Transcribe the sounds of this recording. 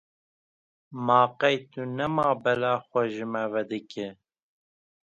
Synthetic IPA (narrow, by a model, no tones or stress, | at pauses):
mɑːqɛjt̪unɛmɑːbɛlɑːxʷɛʒɨmɛvɛd̪ɨkʰɪ